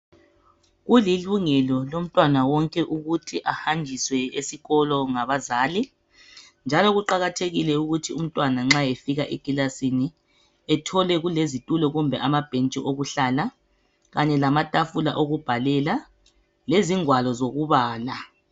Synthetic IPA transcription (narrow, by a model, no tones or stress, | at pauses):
ɣuliluŋɛlɔlom̩tʼwanawɔŋkʼɛʔuɣutʰiʔahand͡ʒʱiswɛesiɣɔlɔŋaβazaːli | nd͡ʒʱalɔɣuǃaɣatʰeɣilɛuɣutʰium̩tʼwanaŋ͡ǁajefiɣaʔeɡ̥ʱʼilasini | ɛtʰɔlɛɣulezitʼulɔɣumbʱɛʔamab̥ʱent͡ʃʼiʔoɣuɬala | ɣaɲɛlamatʼafulaʔoɣub̥ʱalɛla | leziŋwalɔzoɣuβaːla